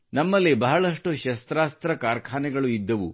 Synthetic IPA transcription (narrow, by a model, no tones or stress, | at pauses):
nɐmːɐlːibɐɦɐɭɐʂʈuʃɐst̪ɾaːst̪ɾɐkaːɾkʰaːnɛɡɐɭuid̪ːɐʋṵ